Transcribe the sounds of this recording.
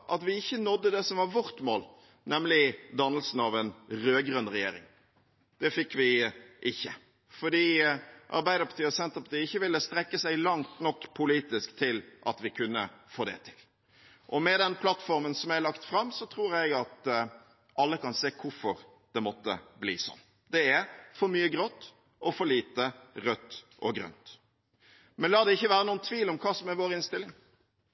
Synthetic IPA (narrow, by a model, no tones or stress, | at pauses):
ʔɑt̪ʋɪɪçːənɔd̪ːəd̪ɛsɔmʋɑɾʋɔɾt̪moːl | nɛmlɪd̪ɑnːəlsn̩ɑʋɛnɾøːɡɾœnɾɛjeːɾɪ̰ŋ | d̪̥ɛfɪkːʋɪʔɪçːə | fɔɖiːʔɑ̰ɾbæɪd̪əɾpʰɑ̥t̪iːɔsɛnt̪əɾpʰɑt̪iːəɪçːəʋɪlːəst̪ɾɛkːəsæɪlɑŋt̪nɔkːpʰʊliːt̪ɪskt̪ʰɪlʔɑt̪ʋɪkʰʉnːəfoːd̪ɛ̰t̪ʰɪ̥l | ʔɔmɛd̪ɛnpʰlɑt̪fɔɾmənsɔmæɪlɑkt̪fɾɑmsɔt̪ʰɾuːɾɛɡɑt̪ | ʔɑlːəkɑnseːkʰʊfɔɾ | d̪ɛmɔt̪ːə̰blḭːsɔ̰nː | d̪ɛæɾfɔɾmyːəɡɾɔt̪ː | ɔfɔɾliːt̪əɾœt̪ːʔɔɡɾœ̰nt̪ | mɛnlɑːd̪ɛɪçːəʋæːɾənuːənt̪ʰʋiːlɔmkʰɑːsɔmæɾʋoːɾɪnst̪ɪlːɪŋ